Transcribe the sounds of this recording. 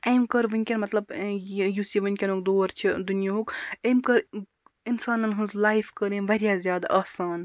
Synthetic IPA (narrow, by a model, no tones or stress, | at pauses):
ejmkɐɾʋɐnʲkʲɐnmɐt̪lɐbjusiʋɐnʲkʲɐnokd̪oːɐɾt͡ʃʰid̪unijaɦokeːmkɐɾ | insaːnɐnɦunzlaːifkɐɾẽʋɐɾjazjaːd̪a̰ʔɐːsaːn